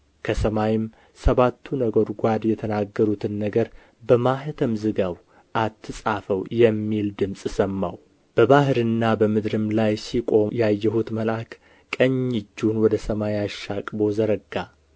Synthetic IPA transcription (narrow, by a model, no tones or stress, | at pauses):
kʰəsəmajɪm | səβat̪ʰːunəɡo̞ɾɡʷad̪jɛt̪ʰənaɡːəɾut̪ʰɨnːəɡəɾ | bəmahɨt̪ʰəmzɨɡaw | ʔat̪ʰːɨsʼafəwjɛmːild̪ɨmsʼsəmːaw | b̥əbahɨɾɨnːabəmɨd̪ɾɨmlajsikʼo̞jajːɛhut̪məlak | kʼəɲːɪd͡ʒːunwɔd̪əsəmajaʃːakʼbo̞zəɾəɡːa